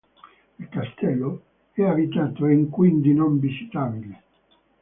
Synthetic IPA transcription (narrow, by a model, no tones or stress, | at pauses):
ilkast̪ɛlːo | ɛabit̪aːt̪oiŋkwind̪inoɱvisi̥t̪aːbile